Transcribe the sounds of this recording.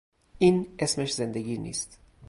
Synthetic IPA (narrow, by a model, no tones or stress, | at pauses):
ʔiːnʔe̞smeʃze̞nd̪eɡiːnḭːst̪